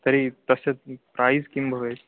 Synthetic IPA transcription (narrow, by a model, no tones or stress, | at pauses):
t̪əɾit̪əsepɾajzkimbʱəʋet͡s